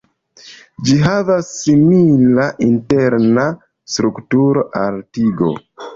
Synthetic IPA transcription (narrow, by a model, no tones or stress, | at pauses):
d͡ʒiɦavasːimilaʔinteɾna | stɾuktuɾo̞ʔaltiɡo̞̰